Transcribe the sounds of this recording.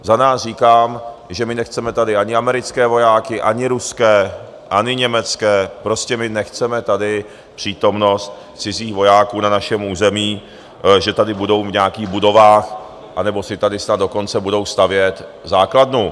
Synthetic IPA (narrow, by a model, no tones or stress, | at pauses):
zanaːsriːkaːmʒɛmɪnɛxt͡sɛmɛt̪adɪʔaɲɪamɛɾɪt͡skɛːvo̞jaːkɪʔaɲɪɾuskɛː | ʔaɲɪɲɛmɛt͡skɛːpɾo̞scɛmɪnɛxt͡sɛmɛt̪adɪ | pr̝̥iːt̪o̞mno̞st̪ | t͡sɪziːxvo̞jaːkuːnanaʃɛmuːzɛmiː | ʒɛt̪adɪbudo̞wvɲɛakiːɣbudo̞vaːx | ʔanɛbo̞sɪt̪adɪsnad̪do̞ko̞nt͡sɛbudo̞wst̪avjɛt̪zaːkladnu